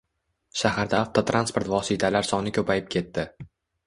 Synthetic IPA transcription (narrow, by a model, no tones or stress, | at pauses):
ʃahaɾd̪aːft̪ʰɒt̪ʰɾanspo̞ɾt̪vɒsɪt̪ʰalaɾsɒnɪkʲʰɵpʰajɪp̚kʲʰe̞t̪ːɪ